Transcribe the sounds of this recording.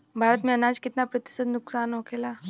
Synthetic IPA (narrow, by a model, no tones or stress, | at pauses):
bʱaːɾət̪mẽɐnaːd͡ʒkɪt̪napɾət̪ɪ̥səd̪nʊksaːnɦoːkʰeːlaː